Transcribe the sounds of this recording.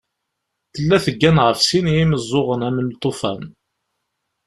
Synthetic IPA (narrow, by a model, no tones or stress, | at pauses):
θəlːæθəɡːænʁəfsinjiməzˤːoʁənæmənt̪ˤːofæn